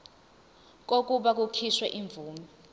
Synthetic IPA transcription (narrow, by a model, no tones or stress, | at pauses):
k̬ok̬ʼuɓak̬ukʰiswɛʔiɱb̪vuːmɛ